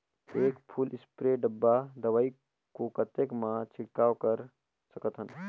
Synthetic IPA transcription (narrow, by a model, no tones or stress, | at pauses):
eːkpʰulɪspɾeɖəbːad̪əʋai | kokət̪ekmãt͡ʃʰiɽkaːwkəɾ | səkət̪ɦən